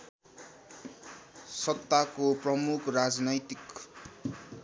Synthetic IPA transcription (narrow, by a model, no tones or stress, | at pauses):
sʌt̪ːakoprʌmukʰrad͡znʌjt̪ik